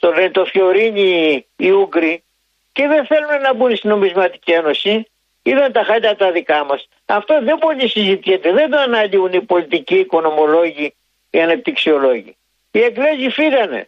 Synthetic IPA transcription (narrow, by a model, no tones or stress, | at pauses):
t̪oɾet̪o̞fjo̞ɾiɲiː | uɡɾi | ce̞ðe̞nθe̞lunenɐbunst̪ino̞mizmɐt̪i̥cie̞no̞si | iðɐnt̪ɐxɐʎɐt̪ɐðikɐmɐs | ɐft̪o̞ðe̞bo̞ʎisizit̪içet̪eðe̞nd̪oɐnɐliunipo̞lit̪iciːko̞no̞mo̞lo̞ʝi | iɐnɐp̚t̪iksio̞lo̞ʝḭ | ie̞ɡle̞zifiɣɐne̞̰